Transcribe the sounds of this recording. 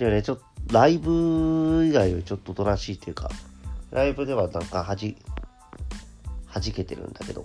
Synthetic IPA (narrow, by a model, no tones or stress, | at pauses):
ɾenet͡ɕo̞t̪oɾaibɯiɡaiat͡ɕo̞t̪ːot̪o̞ɾaɕiːt̪ːejɯːka̰ɾʔaibɯ̟d̪e̞βanãŋkahaʑi | haʑike̞t̪e̞ɾɯ̟̰̃nd̪ake̞d̪o̞̰